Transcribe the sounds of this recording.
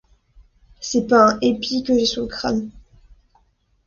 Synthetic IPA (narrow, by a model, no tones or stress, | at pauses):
sɛpaɛ̃ʔepʰikəʒesykχa̰n